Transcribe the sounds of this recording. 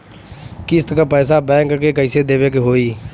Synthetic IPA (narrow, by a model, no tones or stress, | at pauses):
kɪst̪kapɛːs̬abɛ̃ːŋkkekəɪsed̪eːʋeːkeɦoːiː